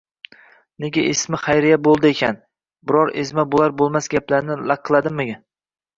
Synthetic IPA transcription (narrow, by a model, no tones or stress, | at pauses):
neɡʲaʔesmɪχajɾɪjabolˠd̪ɪekʲʰan | bɪɾɒɾezmabolˠaɾbolˠmasɡʲaplaɾnɪlaq̚ʰːɨlˠad̪ɪmːɪɡʲa